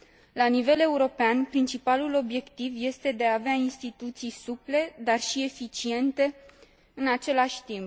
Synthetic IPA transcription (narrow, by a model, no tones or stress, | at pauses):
lanive̞le̞uɾo̞peanpɾint͡ʃipalulo̞bje̞kt̪ivje̞st̪e̞d̪eaːveainst̪it̪ut̪sijsuple̞d̪arʃie̞fit͡ʃie̞nt̪e̞ | ɨnat͡ʃe̞laʃʲt̪imp